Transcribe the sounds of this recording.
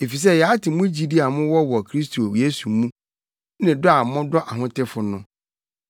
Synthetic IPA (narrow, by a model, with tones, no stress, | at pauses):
e˨fi˨s̬ɛ˦jɛ˨a˦tɪ˨˦mʊ̃˦d͡ʑi˦di˦a˨mʊ̃˦wɔ˦wɔ˨kʰɾi˦stʰo˨e˦su˨mũ˦ | nɪ̃˨dʊ˦a˨mʊ̃˦dɔ˦ʔa˨ɦʊ̃˦tɪ˦fʊ˨nʊ̃˦